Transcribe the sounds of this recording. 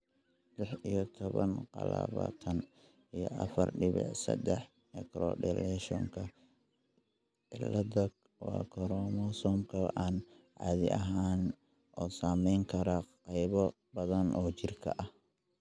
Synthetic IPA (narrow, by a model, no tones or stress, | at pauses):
lɪħijɔt̪ʰɔβɐnqɑla̰ːβaːt̪ʰɐn | ijɔʔɐfɐrɖɪβɛ̰ʕsɐ̰d̪ɛħ | mɛkɾɔ̰ɖɛlɛʃɔŋkʰɐ | ɪlɐd̪ɐɡ | wɑ̰ːkʰɔɾɔːmɔsɔːmkʰɐʔaːn | ʕɑːðɪʔɐɦaːn | ʔɔːsaːmɛjŋkʰɐɾɐqɑjβɔ | bɐðɐnʔɔːt͡ʃɪrkʰɐʔɐh